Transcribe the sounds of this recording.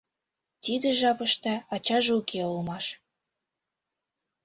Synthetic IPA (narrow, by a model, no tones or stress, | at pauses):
t̪id̪ĕʒɑpəʃt̪ɑɑt͡ɕɑʒukʰeulmɑʃ